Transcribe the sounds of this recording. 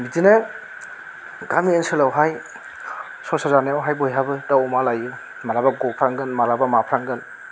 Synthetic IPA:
mitine | ɡamiensɯlawɦaj | sɔsazaneawɦajbɔjɦabɯdawɔmalaju | maɾabaɡɔpʰɾaŋɡɯnmaɾabamapʰɾaŋɡɯn

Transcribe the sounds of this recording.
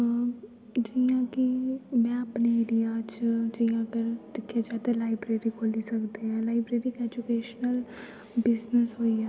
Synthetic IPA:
d͡ʒiãːkɪmɛ̃ːəpneːɪɾijaːt͡ʃd͡ʒiːãːɡəɾʈɪkʰːjaːd͡ʒaːt̪ɛ̃laːɪbɾeːɾiːkʰoːliːsəkd̪eːɦɛ̃ːlaːɪbɾeːɾiːkɛd͡ʒʊkeːʃnəl | bɪznəsɦoːiːɛː

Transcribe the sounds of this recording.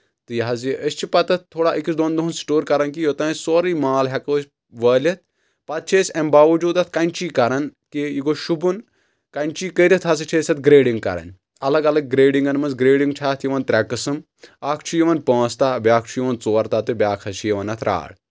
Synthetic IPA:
t̪ɨjɐɦɐziʔəsʲt͡ʃʰipɐt̪ɐt̪̚t̪ʰːoːɽaːʔikisd̪oːnd̪oɦunsi̥ʈoːɾkɐɾɐnkijot̪ɐ̃ːssoːɾiːmaːlɦʲɐkɐsʲ | ʋɐːlʲɐt̪̚ʰ | pɐt̪̚t͡ʃʰeːsʲɐmbaːʋɐd͡ʒuːd̪ɐt̪ʰkɐnʲt͡ʃiːkɐɾɐnkijiɡoʃubun | kɐnʲt͡ʃiːkəɾʲit̪ʰɐs̬ɨt͡ʃʰeːsʲɐt̪ɡɾeːɖiŋɡkɐ̰ɾɐ̰nʲ | ɐlɐɡɐlɐɡ̚ːɾeːɖiŋɡɐnmɐnzɡɾeːɖiŋɡʈʰaːt̪ʰjiʋɐnt̪ɾʲɛkːɨsɨm | aːkʰt͡ʃʰujiʋɐnpə̃ːst̪abʲaːk̚ʰt͡ʃʰujiʋɐnt͡soːɾt̪aːt̪ɨbʲaːkʰɐt͡ʃʰijiʋɐnɐt̪ʰɾʔa̰ːɽ

